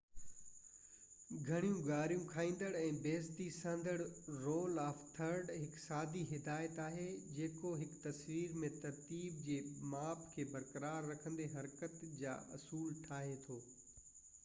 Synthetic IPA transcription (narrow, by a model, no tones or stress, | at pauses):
ɡʱɐɽ̃ijũɡaːɾjũkʰaːĩːnd̪əɽɛ̃ːbeːst̪isə̃nd̪əɽɾoːlaːft̪ʰɐɾɖɦɪksaːd̪iɦɪd̪aːɪət̪aːɦed͡ʑeːkoɦɪkt̪ɐsʋiːɾmẽt̪ɐɾt̪iːb̚d͡ʑeːmaːpkʰeːbɐɾkəɾaːɾːɐkʰə̃nd̪eɦɐɾkət̪d͡ʑa̰ːʔɐsuːlʈʰaːɦet̪ʰoː